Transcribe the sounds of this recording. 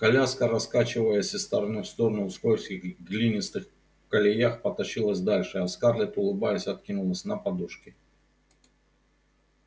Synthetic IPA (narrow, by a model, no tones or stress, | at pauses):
kɐlʲaskəɾɐskat͡ɕɪvəjəsʲɪst̪əɾɐnɨfst̪o̞ɾənʊskojfskʲɪɣɣɡlʲinʲɪst̪ɨx | kɐlʲɪjaxpət̪ɐɕilˠəsʲd̪alʲʂɨɐskarlʲɪt̪ʊlˠɨbajəsʲɐt̪̚kʲinʊlˠəsʲnəpɐd̪uʂkʲɪ